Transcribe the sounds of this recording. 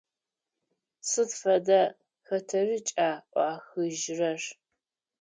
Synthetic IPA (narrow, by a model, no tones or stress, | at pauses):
sɨtfɐdɐ | xɐtʰɐrɨt͡ʃʼaːʔʷɑːxɨʒrɐr